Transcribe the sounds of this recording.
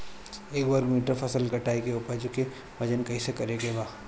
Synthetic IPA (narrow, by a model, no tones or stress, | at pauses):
eːkʋɐɾkmiːʈəɾpʰɐsəlkɐʈaːikeupəd͡ʒoke | ʋɐd͡ʒənkɐisekɐɾeɡebaː